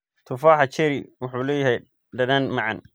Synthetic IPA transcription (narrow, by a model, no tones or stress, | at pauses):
t̪ʰʊfaːħat͡ʃɛɾiwʊħuːlɛːjɪɦɛj | ɖɐdanmɑʕɑ̰n